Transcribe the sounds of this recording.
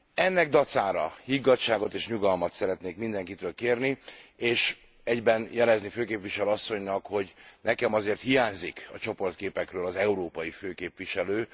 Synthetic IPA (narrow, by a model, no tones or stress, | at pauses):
ɛnːɛɡ̚d̪ɒt̪saːɾɒ̰hiɡɒt͡ʃːaːɡo̞t̪eːʃɲuɡɒlmɒt̪sɛɾɛt̪neːkmind̪ɛŋkit̪øːlkeːrnieːʃ | ɛɟbɛnjɛlɛzniføːkeːpʋiʃɛløːɒsːo̞ɲnɒkho̞ɟnɛkɛmɒzeːrt̪hijaːɲzikɒ̰t͡ʃo̞po̞rt̪̚keːpɛkrøːlɒzɛuɾoːpɒjiføːkeːpvʋiʃɛløː